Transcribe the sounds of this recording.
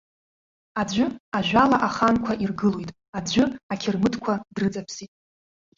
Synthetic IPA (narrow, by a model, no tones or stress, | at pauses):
ad͡ʒʷʊaʒᶣʷalaʔaχankʷʰaʔirɡɨlojtʼ | ad͡ʑʷʊakʲʰɪrmɨdkʷʰadrɨt͡sʼapʰsitʼ